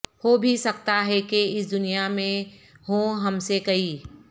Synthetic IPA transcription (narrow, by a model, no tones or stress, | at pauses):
hoːbʱisɐkt̪aɦɛkeɪsd̪ʊnijamẽɦõɦɐmsekɐiː